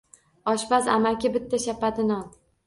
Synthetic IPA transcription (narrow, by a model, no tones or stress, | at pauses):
ɒʃpaza̰makʲɪbɪt̪ʰːaʃapad̪ɪnɒn